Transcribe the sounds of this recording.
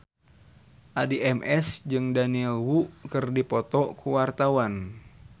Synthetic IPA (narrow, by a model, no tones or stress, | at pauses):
ʔadiʔɛmʔɛsd͡ʒɨŋdaniɛlwuʔkɨrdipɔt̪ɔkuwart̪awan